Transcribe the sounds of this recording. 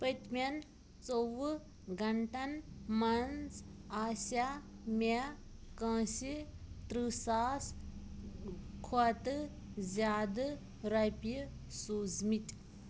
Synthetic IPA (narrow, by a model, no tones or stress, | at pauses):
pət̪mʲɐn | t͡sow | ɡɐɳʈɐnmɐnd͡zaːsa | me | kɐãːsit̪ɾɨsaːs | kʰot̪ɨ | zʲaːd̪ɨ | ɾɐpʲisuːzmit